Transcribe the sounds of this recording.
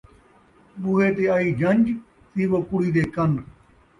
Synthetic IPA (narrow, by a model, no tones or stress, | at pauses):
ɓuːeːt̪eːaːiːd͡ʒʱəɲʲd͡ʒ | siːʋoːkʊɽiːd̪eːkən